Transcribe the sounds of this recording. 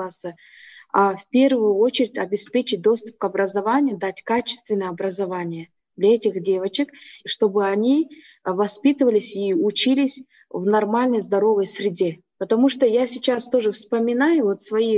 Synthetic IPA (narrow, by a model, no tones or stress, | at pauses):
asə | afpʲe̞rvʊjʊo̞t͡ɕɪɾʲɪtʲɐbʲɪspʲet͡ɕɪt̚ʲd̪o̞st̪ʊ̥p̚kɐbɾəzɐvanʲɪjʊd̪atʲkat͡ɕɪ̥st̪vʲɪnːəjɐbɾəzɐvanʲɪjə | d̪lʲɐɛtʲɪxdʲe̞vət͡ɕɪkʂt̪o̞bɨɐnʲi | vɐspʲit̪ɨvəlʲɪsʲiʊt͡ɕilʲɪsʲ | vnɐrmalʲnəjzd̪ɐɾo̞vəjsɾʲɪdʲe | pət̪ɐmuʂt̪ojasʲɪt͡ɕast̪o̞ʐɨfspəmʲɪnajʊvo̞t̪svɐi